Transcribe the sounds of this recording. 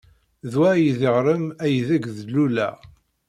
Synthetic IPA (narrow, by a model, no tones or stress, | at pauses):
ðwæjiðəʁɾəmæjðæɡðlulæ̰